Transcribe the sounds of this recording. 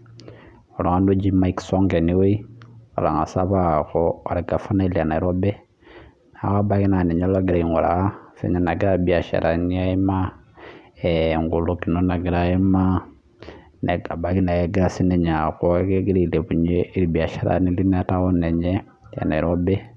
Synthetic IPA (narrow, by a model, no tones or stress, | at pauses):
oloŋandud͡ʒimaiksoŋɡeniwiola̰ŋasaβaxooɾeɡafonaileanaiɾobe | nawabakinaneɲalaɡiɾaiŋɡuɾa̰sḛɲanaɡiɾabiaʃa̰ɾʔaniaima | eŋɡulokinonaɡiɾaima | neɡabakinajeɡiɾasineɲakokeɡiɾileβuɲeiɾibiaʃaɾa̰niliniatawoneɲe | ja̰naiɾobe